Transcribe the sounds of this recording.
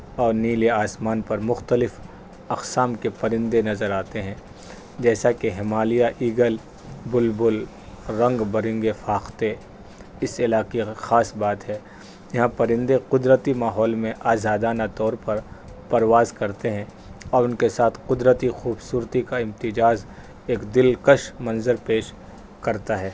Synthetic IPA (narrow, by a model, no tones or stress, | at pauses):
ɔːɾniːleaːsmaːnpɐɾmʊxt̪əlɪf | ɐqsaːmkepɐɾɪ̃nd̪enɐzəɾaːt̪eɦɛ̃ː | d͡ʒɛːsakeɦɪmaːlijaʔiːɡəl | bʊlbʊl | ɾɐ̃ŋɡbɐɾɪ̃ŋɡefaːxt̪e | ɪsɪlaːqexaːsbaːt̪ɦɛː | jɐɦãpɐɾɪ̃nd̪eqʊd̪ɾət̪imaːɦɔːlmẽʔaːzaːd̪aːnat̪ɔːɾpɐɾpɐɾʋaːzkɐɾt̪eɦɛ̃ | ɔːɾʊnkesaːt̪ʰqʊd̪ɾət̪ixuːbsuːɾt̪ikaɪ̃mt̪ɪd͡ʒaːz | eːkd̪ɪlkəʃmɐ̃nzəɾpeːʃ | kɐɾt̪aɦɛː